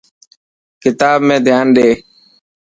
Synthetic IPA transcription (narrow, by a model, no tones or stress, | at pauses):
kɪt̪aːbmẽːd̪ʱɪjaːnɗeː